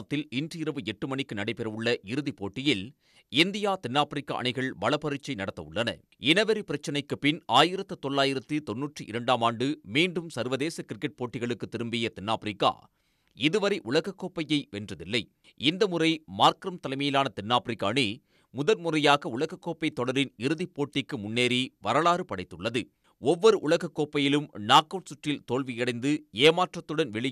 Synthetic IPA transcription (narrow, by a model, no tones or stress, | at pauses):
ɐt̪ːɪlɪndrɯɪɾɐʋɯɛʈːɯmɐɳɪkːɯnɐɽɐɪpɛɾɐʋʊɭːɐʔɪɾɯðipoːʈːɪjɪl | ɪnd̪ɪjaːt̪ɛnːaːpɪɾɪkːa̰ːʔɐ̰ɳɪɣɐɭʋɐɭɐpɐɾɯt͡ʃːɐɪnɐɽɐt̪ːɐʊɭːɐnɐ̰ | ɛnɐʋɐɾipɪɾɐt͡ʃːɐnɐɪkːɯpːɪnaːjɪɾɐt̪ːɯt̪ɔɭːaːjɪɾɐt̪ːɯt̪ɔnːuːʈrɯʔɪɾɐɳɖaːmaːɳɖɯmiːɳɖɯmsɐɾʋɐðeːsɐkɪɾɪkːɐʈ̚poːʈːɪɣɐɭɯkːɯt̪ɪɾɯmbɪjɐt̪ɛnːaːpɪɾɪkːa̰ː | ɪðɯʋɐɾɐɪʔʊɭɐɣɐkːoːpːɐjɐɪʋɛndrɐðɪlːɐɪ | ɪnd̪ɐmʊrɐɪmaːɾkɪɾɐmt̪ɐlɐɪmɐjɪlaːnɐt̪ɛnːaːpɪɾɪkːaːɳi | mʊðɐlmʊrɐjaːɣɐʊɭɐɣɐkːoːpːɐɪt̪ːɔɽɐɾɪnɪɾɯðipːoːʈːɪkːɯmʊnːeːɾiʋɐɾɐɭaːɾɯpɐɽɐɪt̪ːɯɭːɐðɯ | ɔʋːɔɾɯʔʊɭɐɣɐkːoːpːɐjɪlɯmnaːkːoːʈsʊʈrɪlt̪oːɭʋɪjɐɽɐɪnd̪ɯeːmaːʈrɐt̪ːɯɽɐnʋɛɭɪ